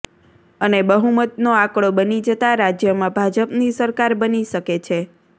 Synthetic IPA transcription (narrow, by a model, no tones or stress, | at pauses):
ənebəɦumət̪noakɽobənid͡ʒət̪aɾad͡ʒjəmãbʱad͡ʒəpnisəɾkaɾbəniʃəket͡ʃʰe